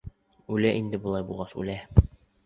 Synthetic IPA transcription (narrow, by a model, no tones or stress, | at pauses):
ʉlæʔind̪ɘbulˠɑjbulˠʁɑsʉ̰læ